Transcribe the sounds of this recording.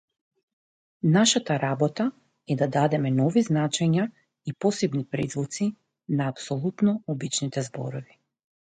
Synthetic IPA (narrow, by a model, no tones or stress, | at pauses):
naʃat̪aɾabɔt̪a | ɛd̪ad̪ad̪ɛmɛnɔviznat͡ʃɛɲa | ipɔsɛbnipɾɛzvɔt̪si | naːpsɔlˠut̪nɔɔbit͡ʃnit̪ɛzbɔ̰ɾɔvi